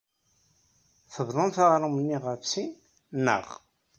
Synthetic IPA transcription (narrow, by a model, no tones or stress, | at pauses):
θəvðˤənθaʁɾˤumənːiʁəfsin | nːə̰ʁ